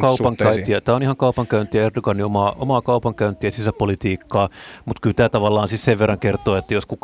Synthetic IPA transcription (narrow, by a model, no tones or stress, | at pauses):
kɑupɑŋkæyniɑt̪æːonihɑŋkɑupɑŋkæynt̪ˑiæerdoɡɑniomɑːʔo̰mɑkɑupɑŋkæynt̪ˑiæsisæpolit̪iːkːɑːmut̪kylt̪æːt̪ɑʋɑlːɑːnsisseʋʋerːɑŋkert̪oːet̪ːæjoskuk